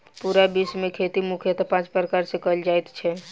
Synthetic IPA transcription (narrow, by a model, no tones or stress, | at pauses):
puɾabismẽkʰet̪imukʰjət̪pãːt͡ʃpɾəkaːɾsekəld͡ʒaːɛt̪t͡ʃʰɛ